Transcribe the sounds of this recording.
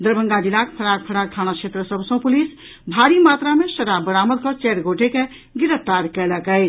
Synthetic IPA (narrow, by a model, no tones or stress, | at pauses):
d̪əɾbʱəŋɡad͡ʒilakpʰəɽak̚pʰəɽak̚t̪ʰañat͡ʃʰet̪ɾəsəbʱsə̃pulis | bʱaɾimat̪ɾamesəɾabəɾaməd̪kʌt͡ʃɛɾɡoʈeke | ɡiɾəpʰt̪aɾkɛləkəɪt͡ʃʰ